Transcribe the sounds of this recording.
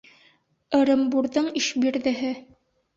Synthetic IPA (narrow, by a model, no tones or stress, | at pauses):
ɤ̆ɾɤ̆mbuɾðɤɴiʃbiɾðɘ̆ɦɘ